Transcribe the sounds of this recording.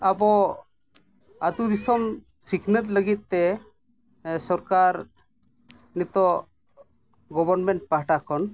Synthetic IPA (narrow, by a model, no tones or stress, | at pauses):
abɔ | ad̪ud̪isɔm | siknət̪̚ləɡit̪̚ˀt̪ɛ | sɔɾkaɾ | nit̪ɔ | ɡɔbɔɾnmɛɳʈ̚paɦʈakɔn